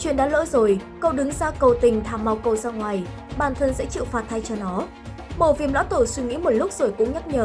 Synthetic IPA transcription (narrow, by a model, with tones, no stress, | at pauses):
t͡ɕwḭ˧˨ənɗa̰ː˧˥lə̰ː˧˥zo˨˩jkə˧wɗɨ˨˦ŋzaː˧kə˨˩wt̪ï˨˩ŋ̟t̪ʰaː˧˩mːa˨˧˩wkə˧˩wzaː˧ŋwaː˨˩j | ɓaː˨˩nt̪ʰə˧nsɛ̰˧˥t͡ɕḭ˧˨wfaː˨˩t̪̚ʰa˧jt͡ɕɔ˧nɔ˨˦ | mo˨˧˩vi˨˩əmla̰˧˥t̪o˧˩swi˧ŋḭ˧˥mo˨˩t̚lʊ˦˥k͡p̚z̥o˨˩jkʊ̰˧˥ŋ͡mɲa˦˥k̚ɲəː˨˩